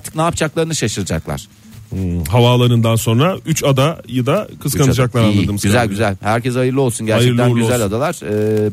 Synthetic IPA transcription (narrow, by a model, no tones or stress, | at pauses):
aɾt̪ʰɯ̥knaːp̚t͡ʃʰaklˠaɾɯnɯʃaʃɯɾd͡ʒa̰klˠa̰ɾ̥ | ɦavaːlˠaɾɯnd̪anso̞nɾayt͡ʃad̪ajad̪akʰɯzkanɯd͡ʒaklˠaɾanˠad̪ɯmsɟyzælʲɟyzælʲhæɾcɛzajɯɾlˠɯo̞lˠsunɟæɾajt͡ʃɛɯɾclˠænɟyzælʲad̪alˠaɾ̥ɯ